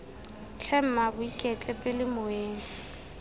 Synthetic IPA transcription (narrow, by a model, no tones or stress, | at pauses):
t͡ɬʰɛm̩mabʊikʼɛt͡ɬʼɛpʼɪlɪmʊeːŋ